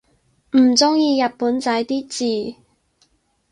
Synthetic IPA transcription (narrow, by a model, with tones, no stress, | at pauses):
m̩˨˩t͡sʊ˥ŋjiː˧jɐ˨t̚puː˨˥nt͡sɐ˨˥jt̪iː˥t͡siː˨˧